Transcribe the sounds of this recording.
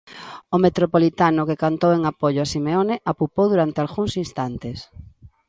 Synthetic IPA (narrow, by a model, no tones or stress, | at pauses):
ʊmet̪ɾopolit̪anʊkekant̪oweŋapoʎʊasimeoneʔapupowðuɾant̪ɪalɣuŋsinst̪ant̪es